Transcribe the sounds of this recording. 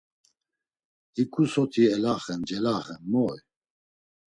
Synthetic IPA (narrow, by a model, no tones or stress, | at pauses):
ikʰʼusɔt̪ʰiɛlaχɛnd͡ʒɛlaχɛnmɔj